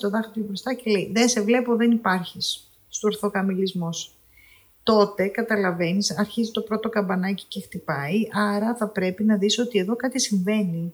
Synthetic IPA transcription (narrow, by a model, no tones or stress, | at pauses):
t̪oðɐxit̪ubɾost̪ɐcele̞iðense̞vle̞po̞ðe̞nipɐɾçisː | t̪oːɾθo̞kɐmilizmos | t̪o̞t̪e̞kɐt̪ɐlɐve̞nisɐɾçizit̪o̞pɾo̞t̪o̞kɐmbɐnɐci̥ce̞xt̪ipɐiʔɐɾɐθɐpɾe̞pinɐðiso̞t̪ie̞ðo̞kɐt̪isiɱve̞ni